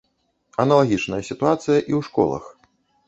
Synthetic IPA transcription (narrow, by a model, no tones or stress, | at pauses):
ɐnɐlˠaɣʲit͡ʂnɐjɐsʲit̪uat̪sɨjɐʔiwʂkɔ̰lˠɐ̰x